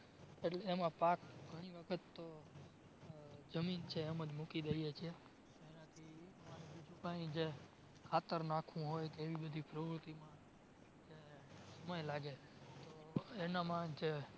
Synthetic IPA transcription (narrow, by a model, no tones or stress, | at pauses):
eʈleːmãpakɡʱəɽ̃iʋəkʰət̪ːo | d͡ʒəmint͡ʃʰeːmə̃d͡ʒmukid̪əijet͡ʃʰie | t̪oenat̪ʰimaɾ̃ĩbid͡ʒũkaĩd͡ʒe | kʰat̪əɾnakʰũɦojt̪eʋibəd̪ʱipɾəʋɾut̪imã | d͡ʒesəməjlaɡe | t̪oenamãd͡ʒe